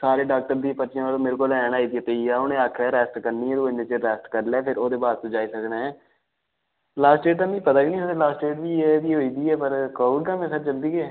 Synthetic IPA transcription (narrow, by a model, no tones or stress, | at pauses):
saːɾeːɖaːk̚ʈəɾd̪iːpəʃjãːaːlõːmeːɾekoːlɛːñaːiːd̪iɛːt̪eiaːʊnẽːaːkʰɛːɾɛːsʈkəɾniːɛ̃ːd̪oːɪneːt͡ʃeɾɛːsʈkəɾlɛːpʰɪɾoːd̪eːbaːd̪̚t̪õːd͡ʒaːiːsəknaːɛ̃ː | laːsʈɖeːʈt̪aːmiːpət̪aːɡiːnĩːəelaːsʈeːʈʋiːɛːʋiːɦoːiːd̪iːɛːpəɾkoːɽ̚ɡə̃mẽːsəɾt͡ʃəld̪iːɛː